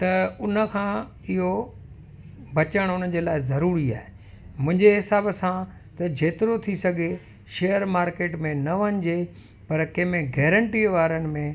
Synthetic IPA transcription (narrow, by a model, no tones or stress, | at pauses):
t̪ɐʊnə̆kʰãː | ɪɦo | bɐt͡ɕəɽ̃ʊn̤əd͡ʑeːlaːɪzɐɾuːɾia̰ːɦe | mʊ̃ɦɪ̃ɲd͡ʑeɦɪsaːbsã | t̪ɐd͡ʑeːt̪ɪɾot̪ʰisɐɡʱe | ʃejəɾmaːɾkeːʈmẽnɐʋɐɲd͡ʑe | pɐɾkɐ̃ɦmẽɡɛːɾə̃ɳʈiʋaːɾənɪ̆mẽ